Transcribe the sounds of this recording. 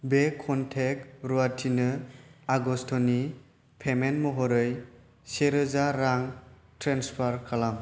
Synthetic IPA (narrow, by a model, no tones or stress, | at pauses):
bekʰɔntʰek̚ɾuatʰinɯaɡɔstʰɔni | pʰemenmɔɦɔɾɯj | seɾɯzaɾaŋ | tɾenspʰaɾkʰalam